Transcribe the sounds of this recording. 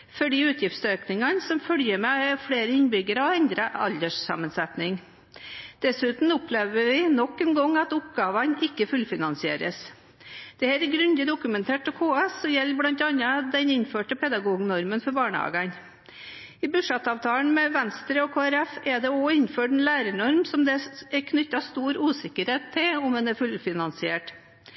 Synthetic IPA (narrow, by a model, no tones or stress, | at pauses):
fɔɖiːʉːt̪ʰjɪft̪søːknɪŋɑnsɔmfœljəɾmɛfɽeːɾəɪnbʏɡəɾəɔɛnd̪ɾəʔɑ̰ld̪əʂsɑ̰mːənsɛt̪nɪŋ | d̪̥ɛsʉːt̪n̩ʊpleːʋəɾʋɪnɔkːɛnɡɔŋːɑt̪ʊpɡɑːʋɑnɪkːəfʉlfɪnɑnsɪḛːɾəs | d̪̥ɛhæːɾɡɾʉnd̪ɪd̪ʊkʉmɛnt̪ʰeːʈɔkʰoːɑɛsɔjɛlːblɑnt̪ɑnəd̪ɛnɪnføːʈəpʰɛd̪ɑɡuːɡnɔɾmənfɔɾbɑːɳəɑ̰ːɡɑn | ɪbʉʂɑt̪ːɑːʋt̪ʰɑːln̩mɛʋɛnst̪ɾəɔkʰoːæɾɛfɛɖ̪ɛɔɪnføːʈɛnlæːɾəɳɔɾmsɔmd̪ɛɛkʰnʏt̪ːɑst̪uːɾuːsɪkəɾheːt̪ʰːɪlɔmɛnɛɾfʉlfɪnɑnsɪeːʈ